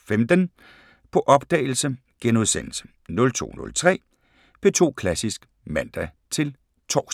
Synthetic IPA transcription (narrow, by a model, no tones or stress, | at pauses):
femd̥ən | pʰɒ̽ʔɒ̽b̥d̥ɛ̰ːɪl̩sə | ɡ̥enuðˠsenl̩sə̥ | nɔ̽lt͡sʰo̝̰ːnɔ̽lt͡sʰʁɛ̰ː | pʰe̝t͡sʰo̝̰ːkʰlæsisɡ̥ | mænd̥æ | t͡sʰe̝l | t͡sʰɒːs